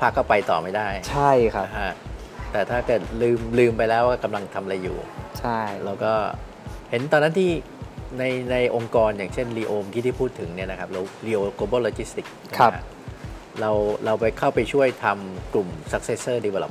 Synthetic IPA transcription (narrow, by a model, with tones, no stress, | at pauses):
pʰa˦˥kːɔː˥˩pa˧jt̪ɔ̰ː˨˩ma˥˩jdaː˥˩jt͡ɕʰa˥˩jkʰa˦˧kʰa˦˥t̪ɛː˨˩t̪ʰaː˥˩kɤː˨˩t̪̚lɯː˧mlɯː˧mpa˧jlɛː˦˥wkɔː˥˩ka˧mla˧ŋt̪ʰa˧mʔa˧a˧jːṵː˨˩t͡ɕʰa˥˩ɾa˧wkɔː˥˩ | he˩˦nt̪ɔː˧nːa˦˥nt̪ʰiː˥˩ | na˧jna˧jʔo˧ŋkɔː˧njaː˨˩ŋt͡ɕʰe˥˩nliː˧ʔoː˧mki˦˥˩iː˥˩pʰuː˥˩t̪ʰːɯ˩˦ŋni˥˩ɐna˦˥kʰa˦˥p̚la˧wliː˧˥ʔoː˧koː˧bɤː˥˩loː˧t͡ɕi˦˥st̪i˨˩k̚nʰ˦a˦a˦˥ʔ | ɾa˧wɾa˧wpa˧jkʰa˥˩wpa˧jt͡ɕʰu˥˩əjt̪ʰa˧mklu˨˩msa˦˥k̚se˦˥sɤː˥˩di˧waː˧˩lɔ̰˨˩